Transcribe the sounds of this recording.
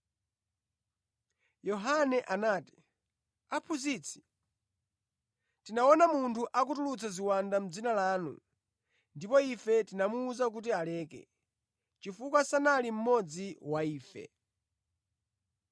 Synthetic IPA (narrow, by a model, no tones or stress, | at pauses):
jɔɦanɛʔanaːti̥ | apʰuzit͡sʰi̥ | tinaɔnamuntʰuʔak̬utulut͡sʰaziwandam̩d͡zinalaːnṵ | ndipɔifɛtinamuːzak̬ut̬ialɛːkɛ̰ | t͡ʃifukwasanalim̩mɔd͡ziwaiːfɛ̰